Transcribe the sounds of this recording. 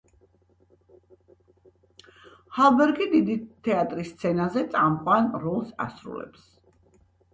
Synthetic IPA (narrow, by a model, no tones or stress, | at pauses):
halˠbɛɾɡid̪id̪it̪ʰːɛat̪ʼɾist̪sʰɛnazɛt̪sʼamqʼwanɾɔlˠsa̰sɾṵlɛ̰ps